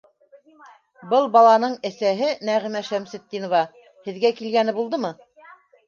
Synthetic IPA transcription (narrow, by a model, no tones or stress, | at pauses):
bɤlˠbɑlˠɑnɤɴæsæɦɘnæʁimæʃæmsɘ̆t̪̚ːinŏvɑ | hɘ̆ðɡækilɡænɘbulˠd̪ɤmɤ